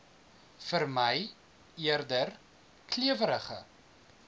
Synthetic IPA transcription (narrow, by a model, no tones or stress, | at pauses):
fərməj | iərdər | kliəvəɾəχə̰